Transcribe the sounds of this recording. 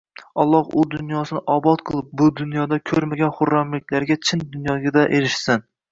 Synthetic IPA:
ɒlˠːɒhʊd̪ʊnjɒsɪnɪʔɒbɒt̪qʰɨlˠɪp̚bʊd̪ʊnjɒd̪akʲʰɵɾmaɡʲanχʊɾːamlɪkʲlaɾɡʲat͡ʃʰɪnd̪ʊnjɒɡʲad̪aʔeɾɪʃsɪn

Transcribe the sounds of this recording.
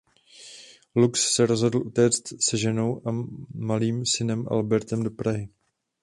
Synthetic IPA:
lukssɛɾo̞zɦo̞dl̩ʔut̪ɛːt͡st̪sɛʒɛno̞wʔamaliːmsɪnɛmʔa̰lbɛɾt̪ɛmdo̞pɾaɦɪ

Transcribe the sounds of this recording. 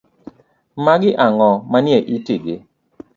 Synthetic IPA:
maɡɪʔaŋɔmanjeʔitɪɡɪ

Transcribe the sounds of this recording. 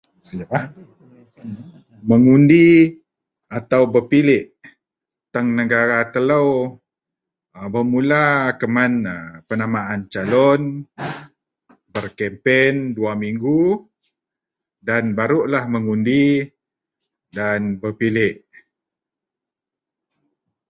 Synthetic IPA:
jah | məŋundi | at̪awbərpilɪʔ | t̪əŋnəɡaɾat̪ələw | əbəmulakəmanəpənamaant͡ʃalɔn | bərkɛmpenduamiŋɡu | danbaɾuʔlahməŋundi | danbəpilɪʔ

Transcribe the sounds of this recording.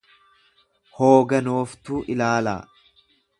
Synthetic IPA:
hoːɡɐnoːft̪uːʔɪlaːla̰ː

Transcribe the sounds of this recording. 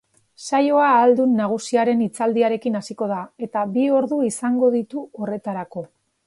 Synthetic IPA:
sajo̞aːld̪unːaɣ̞usiaɾe̞nit͡sald̪iaɾe̞kinasiko̞ðae̞t̪abio̞ɾðuisaŋɡo̞ðit̪uo̞re̞t̪aɾako̞

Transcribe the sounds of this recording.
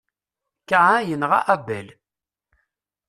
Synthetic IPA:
kaʕajənʁa̰ʔæbæl

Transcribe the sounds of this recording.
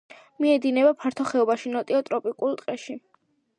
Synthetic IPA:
miɛd̪inɛbapʰaɾt̪ʰɔχɛɔbaʃinɔt̪ʼiɔt̪ʼɾɔpʼikʼulˠt̪ʼqʼɛʃi

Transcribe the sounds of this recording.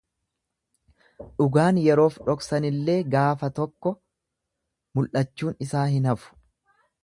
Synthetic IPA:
ᶑʊɡaːnjɛɾo̞ːfᶑɔksɐnɪlːe̞ːɡaːfɐt̪ɔkːɔ | mʊlʔɐt͡ʃːuːnɪsaːhɪnɐfʊ̥

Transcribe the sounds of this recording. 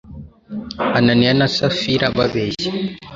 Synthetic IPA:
ananianasafiɾababɛsi

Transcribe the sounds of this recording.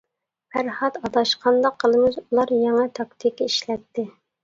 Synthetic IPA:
pʰæɾhɑt̪ɑd̪ɑʃqʰɑnd̪ɑqʰːəlˠɨmɨzulˠɑɾjɑŋɑt̪ʰɑkt̪ʰikeiʃlɛt̪ːɪ

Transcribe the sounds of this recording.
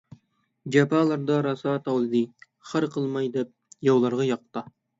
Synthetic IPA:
d͡ʒɑpɑlˠɑɾd̪ɑɾɑsɑt̪ɑwd̪ɨ | χæɾqəlˠmɑjd̪ɛp̚jɑwlˠɑɾʁɑjɑq̚t̪ɑ

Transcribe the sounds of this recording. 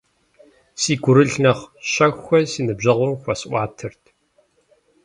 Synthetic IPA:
siːɡʷʊɾɨɮnɐχɕɐxʷɐsiːnɨbʑɐʁʷʊmxʷɐsʔʷɑːtʰɨrtʰ

